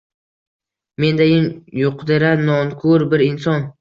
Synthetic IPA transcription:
me̞nd̪ajʲɪmjʊqd̪ɪɾanɒŋkʰʊɾbɪɾɪnsɒn

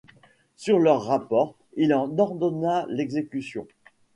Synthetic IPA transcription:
syʁlœʁːapɔːʁ | ilɑ̃nɔʁd̪ɔnalɛɡzekʲysjɔ̰̃

